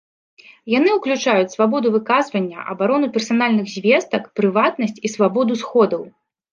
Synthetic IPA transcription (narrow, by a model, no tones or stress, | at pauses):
jan̪ɨwklʲut͡ʂajut͡sʲsvabɔd̪uvɨkazvɐnʲːɐ̰ʔɐ̰baɾɔnupʲɛrsanalʲnɨɣzʲvʲɛst̪ɐkpɾɨvat̪̚nɐsʲt͡sʲisvabɔd̪usxɔd̪ɐw